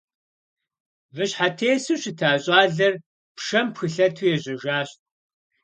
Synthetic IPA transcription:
vɨɕħatʰeːsɨɕɪtʰaːɕʼɑːɮɐr | pʂɐmpxɨɬɐtʰuːjɛʑʼɪʒaːɕt̚ʼ

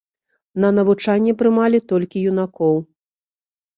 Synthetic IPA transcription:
nɐnɐvut͡ʂanʲːɛpɾɨmalʲit̪ɔlʲkʲijunakɔw

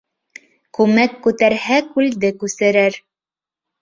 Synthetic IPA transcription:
kʉmækːʉt̪æɾhækʉld̪ɘkʉsɘ̆ɾɘɾ

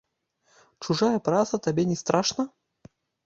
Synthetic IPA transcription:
t͡ʂuʐajɐpɾat̪sɐt̪abʲɛnʲɛst̪ɾʔaʂnɐ

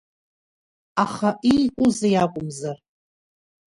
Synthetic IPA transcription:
aχaʔikʷʼʊzajakʷʼʊmzar

